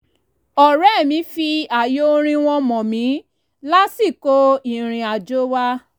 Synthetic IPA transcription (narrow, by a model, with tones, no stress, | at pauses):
ɔ˨ɾɛ˦˨mĩ˨˦fi˧a˨jo˦ɾ̃ĩ˧w̃ɔ̃˧mɔ̃˨mĩ˨˦ | la˦si˦˨ko˦i˨ɾ̃ĩ˧a˨d͡ʒo˦wa˦